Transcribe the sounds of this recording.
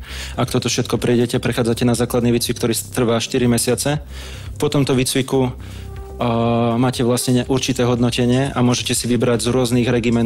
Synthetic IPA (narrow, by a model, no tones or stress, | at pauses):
ak̚t̪ɔt̪ɔfʃɛt̪̚kɔpɾijɟɛcɛpɾɛxaːd͡zacɛnazaːklad̪niːʋiːt͡sʋik̚t̪ɔɾiːst̪r̩ʋaʃt̪iɾimɛsɪat͡sɛ | pɔt̪ɔmt̪ɔʋiːt͡sʋiku | maːcɛʋlasɲɛɲɛʔuɾt͡ʃit̪ɛːɦɔd̪nɔcɛɲɪɛʔamʊɔʒɛcɛsiʋibɾaɟzɾʊɔzniːɣɾɛɡimɛ